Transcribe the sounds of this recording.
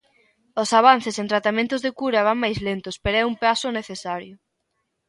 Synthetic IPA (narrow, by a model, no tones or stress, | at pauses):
ʊsaβ̞an̟θesent̪ɾat̪amẽnt̪ʊzðekuɾɐβaŋmajzlent̪ʊspeɾoɛumpasʊneθesaɾjʊ